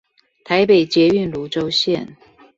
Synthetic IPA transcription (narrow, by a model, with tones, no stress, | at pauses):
t̪ʰa˧˦ɪpe˨˩ɪt͡ɕjɛ˧˥y˥˩nlu˧˥ʈ͡ʂo˥ʊɕjɛ˥˨n